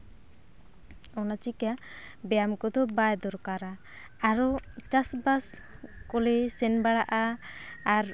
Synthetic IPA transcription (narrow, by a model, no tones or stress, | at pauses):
ɔnat͡ʃikabɛjamkɔd̪ɔbajd̪ɔɾkaɾaː | ɾɔt͡ʃasbas | kɔlɛsɛnbaɽaʔaː | ɾ